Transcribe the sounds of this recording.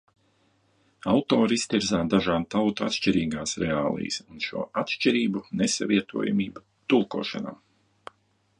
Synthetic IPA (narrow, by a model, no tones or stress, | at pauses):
awt̪oːɾist̪iɾzaːd̪aʒaːnt̪awt̪uat̪ʃt͡ʃiɾiːɡaːsɾɛaːlˠḭːjsunʃṵɔat̪ʃt͡ʃiɾiːbunesaviɛt̪ṵɔja̰miːba | t̪ulˠkuɔːʃa̰na̰ː